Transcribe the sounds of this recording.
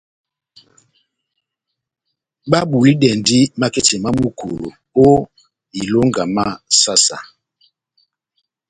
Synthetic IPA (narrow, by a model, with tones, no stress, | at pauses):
ɓa˦bu˨li˦dɛ˨ndi˦ma˦ke˦t͡ʃɛ˨ma˦mu˨kʰo̰˨lo̰˨ | o˦ | i˨lo˦ŋɡa˨ma˦sa˦sa̰˨